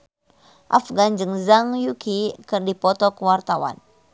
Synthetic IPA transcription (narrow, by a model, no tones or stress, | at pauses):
ʔafɡand͡ʒɨŋzaŋjukikɨrdipɔt̪ɔkəwart̪awa̰n